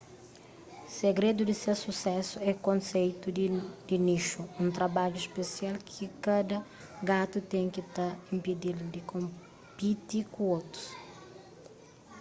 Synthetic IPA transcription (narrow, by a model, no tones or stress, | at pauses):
seɡɾed̪ʊd̪ɪsesusɛsuɛkõnsejt̪ud̪ɪniʃuũnt̪ɾabaʎʊiʃpesialkʰikad̪ɐ | ɡat̪ut̪ẽj̃kɪt̪aɾĩmpid̪ild̪ɪkʰõm | pit̪ikũot̪ɾʊ̥s